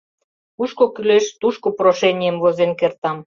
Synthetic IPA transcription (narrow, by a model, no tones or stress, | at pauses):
uʃkokyleʃt̪uʃkoproʃenʲijəmvozenkert̪ɑm